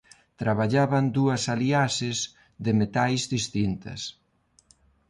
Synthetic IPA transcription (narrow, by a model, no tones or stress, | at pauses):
t̪ɾaβaʎaβɐnd̪uɐsaliasɪz | ðɪmet̪ajzðist̪int̪ɐ̰s